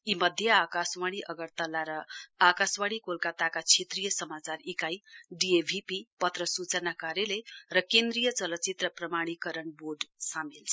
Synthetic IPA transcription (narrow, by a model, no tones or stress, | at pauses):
imʌd̪ʱjʌakaswaɽ̃iʔʌɡʌrt̪ʌlːaɾʌakaswaɽ̃ikolkat̪akat͡sʰet̪rijʌsʌmat͡sarikajɖiebʱipipʌt̪rʌsut͡sʌnakaɾjʌlerʌkend̪rijʌt͡sʌlʌt͡sit̪rʌprʌmaɽ̃ikʌɾʌnboɖsamilt͡sʰʌ̥